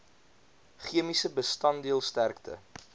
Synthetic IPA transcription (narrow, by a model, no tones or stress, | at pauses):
χiəmisəbəstɐndiəlˠstærktʰə̰